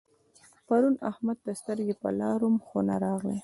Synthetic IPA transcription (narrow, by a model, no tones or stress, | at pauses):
paɾunahmad̪̚ːəst̪əɾɡepə̰lɑɾomxonaɾɑɣle